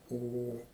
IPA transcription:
ˈoː ˈoː

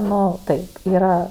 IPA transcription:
ˈnʊ ˈtɐɪ ˈiːrɐ

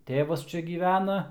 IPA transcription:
ˈtʲeːʋɐs ˈt͡ʃʲɛ ˈɡʲiːʋʲænɐ

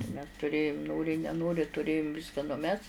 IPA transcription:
mʲɛs tʊˈrʲeːjʊm ˈnoːrʲɪ nʲɛˈnoːrʲɪ tʊˈrʲeːjʊm ˈʋʲɪskɐ nʊˈmʲɛs

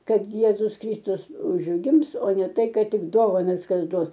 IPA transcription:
ˈkɐt ˈjeːzʊs ˈkrʲiːstʊs ʊʒʲˈɡʲɪms oː nʲɛ ˈtɐɪ ˈkɐt ˈtʲɪk ˈdoːʋɐnɐs ˈkɐs ˈduɔs

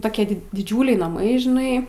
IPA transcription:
ˈtoːkʲiɛ dʲɪˈd͡ʒʲuːlʲɛɪ nɐˈmɐɪ ʒʲɪˈnɐɪ

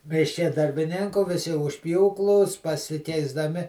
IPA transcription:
mʲɪʃʲˈkʲɛ dɐrʲbʲɪˈnʲɪŋkuː ʋʲɪˈsʲɪ ʊʃ ˈpʲjuːklˠuː s pɐsʲɪkʲɛɪzdɐˈmʲɪ

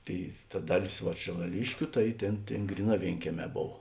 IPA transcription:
ˈtʲeːɪ tɐ ˈdɑːˌlʲeːs ʋɐ ʃʲeːlˠɐˈlʲɪʃʲkʲʊ ˈtɐɪ ˈtʲeːn ˈtʲeːn ˈɡrʲiːˌnɑː ˈʋʲeːɪŋʲkʲiɛˌmʲɛː ˈboːw

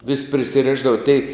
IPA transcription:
ʋʲɪsʲ pʲrʲɪsʲɪˈrʲɪʒdɐʋɐ tʲɛɪ

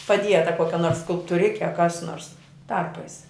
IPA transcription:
pɐˈdʲiɛtɐ ˈkoːkʲɛ noːrs skʊlˠptʊˈrʲɪkʲɛ ɐ kɐs noːrs ˈtɐrpɐɪs

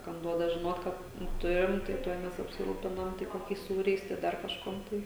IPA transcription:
kɐm ˈduɔdɐ ʒʲɪˈnoːt ˈkɐt nʊ ˈtʊrʲɪm tɐɪ ˈtuɔj ˈmʲɛs ɐpʲsʲɪˈruːpʲɪnɐm tɐɪ koːˈkʲɛɪs ˈsuːrʲɛɪs tɐɪ ˈdɐr kɐʃˈkuɔm ˈtɐɪ

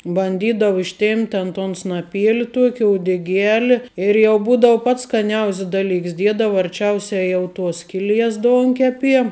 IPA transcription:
bɐnʲˈdʲiːdɐʋʊ ɪʃʲˈtʲeːmʲpʲtʲ tʲɛn toːn snɐˈpʲiɛlʲɪ ˈtuɔkʲɪ uɔdʲɛˈɡʲæːlʲɪ ɪr jɛʊ ˈbuːdɐʊ pɐts skɐˈnʲɛʊsʲs ˈdɑːˌlʲɪks ˈdʲiɛdɐʋɐ ɐrʲˈt͡ʃʲɛʊsʲɛ ˈjɛʊ ˈtuɔs ˈsʲkʲɪˌlʲiɛs ˈdoːŋʲkʲɛpʲiɛ

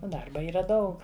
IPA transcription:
ˈdɐrbɐ ˈiːrɐ ˈdɐʊk

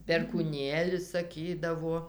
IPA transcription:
pʲɛrkuːˈnʲeːlʲɪs sɐˈkʲiːdɐʋuɔ

